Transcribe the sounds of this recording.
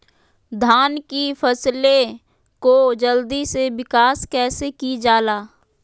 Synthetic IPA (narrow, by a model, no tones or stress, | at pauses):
d̪ʱaːnkifʰəsle | kod͡ʒəld̪isewɪkaːskɛːsekid͡ʒaːlaː